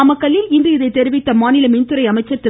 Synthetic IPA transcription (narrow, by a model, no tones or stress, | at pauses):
ɐmɐkːɐlːɪlɪnd̪ɯɪðɐɪt̪ːɛɾɪʋɪt̪ːɐmaːnɪlɐmɪnt̪ɯɾɐɪɐmɐɪt͡ʃːɐt̪ːɪ